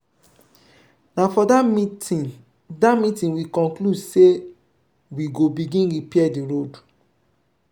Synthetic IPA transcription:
nafɔdam | damitĩnwikɔ̃ŋkludse | wiɡobiɡĩnɡipiɛdiɹod

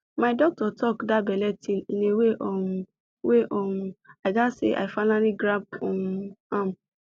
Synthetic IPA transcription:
maɪdɔk̚tɔtɔkdabɛlɛtĩnĩneweʔɔm | weʔɔuaɪɡasḛʔa̰ɪfanaliɡɾab̚onũãm

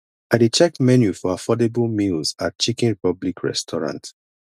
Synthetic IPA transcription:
aɪdet͡ʃɛkmɛnjufɔafɔdebəlmilzat̚t͡ʃikɛ̃nɹipɔblikʰɹɛ̰stʰɔɹã̰nt

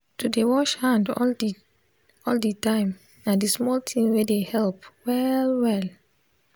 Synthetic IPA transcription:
tudewɔʃhãndɔ̰l | ɔlditãɪ̃m | nãdismɔltʰĩŋwedehɛlpwɛlwɛl

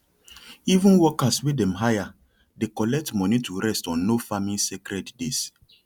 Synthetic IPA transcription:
ivũnwɔkaswidɛ̃mɦaja | dekɔlɛk̚tmɔnitʰuɾɛstɔ̃nːofamĩnsekɾɛddes

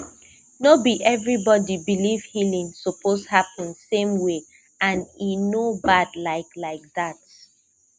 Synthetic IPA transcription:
nobiʔɛvɹibɔdibiliv̥hilĩŋsɔpʰoshapə̃nsẽmwe | ãninobadlaɪklaɪk̚ðat̚

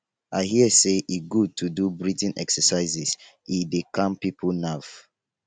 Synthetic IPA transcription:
aɪhiəseʔiɡud̚tʰudubɹitɛ̃nʔɛ̰ksəsaɪzis | idekʰãmpipʰunaf

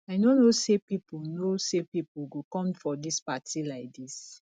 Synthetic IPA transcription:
aɪnonosepipunosepipuɡokɔ̃mfɔdispatʰilaɪk̚dis

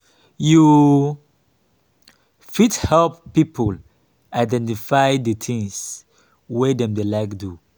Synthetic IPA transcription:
ju | fidhɛlppːipʰɔl | aɪdɛ̃ntifajdət̪ʰĩŋs | wedɛ̃mdelaɪkdu

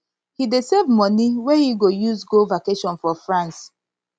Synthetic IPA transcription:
hidesevmɔ̃niwɛhiɡojuzɡolvakeʃɔ̃nfɔfɹãns

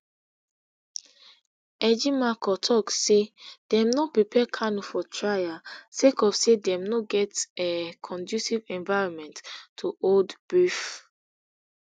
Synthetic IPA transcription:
ɛd͡ʒimakɔtʰɔksed̥ɛ̃mnɔpɹipʰɛkʰanufɔtʰɹajasekɔfsedɛ̃mnoɡɛtɛkʰɔ̃ndjusivɛ̃nvaɪɹɔ̃nmɛ̃nttʰːuoldb̥if

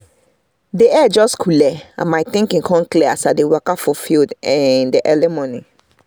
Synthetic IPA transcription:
deɛd͡ʒɔskʰulɛã̰majt̪ĩŋkĩkʰɔ̃nkleasadewɛkafɔfildɛ̃ndeʔɛlɛmɔ̃ni

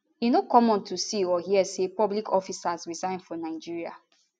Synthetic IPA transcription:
inokɔmɔ̃ntʰusiɔhiɛsepɔblikʰɔfisazɹizãɪ̃nfɔnaɪd͡ʒiɹia̰

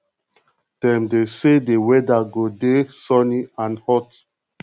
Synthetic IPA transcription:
d̥ɛ̃mdesedewɛdaɡodesɔniãnhɔt

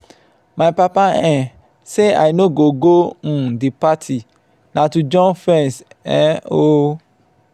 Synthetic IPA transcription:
majpapaɛ̃ | sea̰jnoɡoɡõdipatʰi | nãtud͡ʒɔ̃nfɹɛ̃nsɛ̰̃o

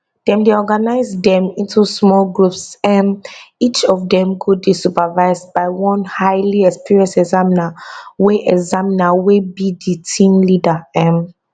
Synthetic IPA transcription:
d̥ɛ̃mdeɔɡanaɪzdɛ̃mĩntʰusmɔlɡɹupsɛmit͡ʃɔvdɛ̃mkʰud̚bisupavaɪzdbaɪwɔ̃nhaɪliɛkspiɹiɔ̃nsɛɡzaminaweʔɛɡzaminawebiditʰĩmlidaɛ̃m

